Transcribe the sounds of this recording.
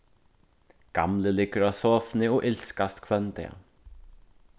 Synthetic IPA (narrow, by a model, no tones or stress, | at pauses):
ɡ̥amləlɪkəɾasɔːfnɪɔʔɪlskast̪kʰvœnt̪ɛ̰